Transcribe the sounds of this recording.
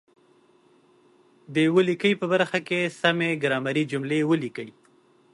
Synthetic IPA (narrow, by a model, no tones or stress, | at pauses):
d̪əjwəlikəjpəbaɾxakesameɡɾɑmaɾid͡ʒʊmlewəlikəj